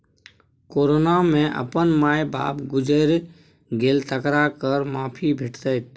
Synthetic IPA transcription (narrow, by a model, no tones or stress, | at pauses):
koːɾoːnamẽʔə̰pənmaːjba̰ːpɡʊd͡ʒəɾ | ɡelt̪əkɾakəɾmaːpʰibʱɪʈʰt̪ət̪